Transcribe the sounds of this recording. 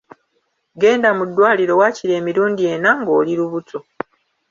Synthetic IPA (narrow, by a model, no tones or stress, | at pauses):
ɡe̞ːndamudːwaːliɾo̞waːciɾe̞ːmiɾuːndie̞naŋɡo̞ːliɾuβutʰo